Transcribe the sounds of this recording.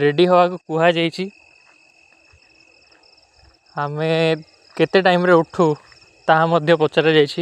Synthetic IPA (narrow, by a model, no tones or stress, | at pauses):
ɾeɖiɦoakukuɦad͡ʒajt͡ʃʰi | ame | ket̪eʈajmɾeuʈʰu | t̪aɦãmɔd̪ʱjɔpɔt͡ʃaɾɔd͡ʒajt͡ʃʰi